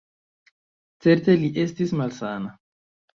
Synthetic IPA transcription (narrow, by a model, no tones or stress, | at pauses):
t͡se̞ɾt̪eliʔest̪ismalsana